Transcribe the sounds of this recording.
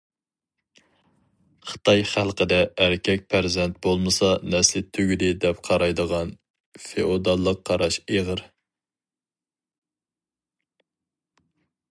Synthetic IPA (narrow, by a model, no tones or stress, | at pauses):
χə̥t̪ɑjχælˠqəd̪ɛːɾkʲʰɛk̚ʲpʰæɾzɛnt̪̚bolˠmɨsɑnɛslɪt̪ʰøɡʲyd̪ɪd̪ɛp̚qʰɑɾɑjd̪əʁɑn | feʔod̪ɑlˠːəqʰːɑɾɑʃeʁəɾ